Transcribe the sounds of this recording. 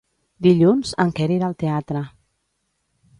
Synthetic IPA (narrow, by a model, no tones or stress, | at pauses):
d̪iʎunz̥əŋkɛɾiɾəlˠt̪eat̪ɾə